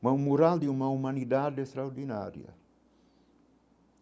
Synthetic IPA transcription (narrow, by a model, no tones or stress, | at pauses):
mɐũmuɾald̪ɪumɐumɐ̃nid̪ad̪est̪ɾaoɾd̪ina̰ɾjɐ̰